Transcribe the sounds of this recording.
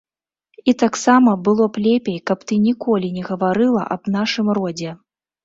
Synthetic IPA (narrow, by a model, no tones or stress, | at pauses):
it̪aksamɐbɨlˠɔplʲepʲejkɐpt̪ɨnʲikɔlʲinʲɛɣɐvaɾɨlˠɐ̰ʔɐ̰bnaʂɨmrɔd͡zʲɛ